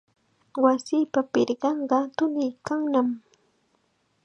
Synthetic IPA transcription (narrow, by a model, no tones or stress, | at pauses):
wasɪːpapɪɾɢɑɴɢɑt̪ʊnɪjkaŋnam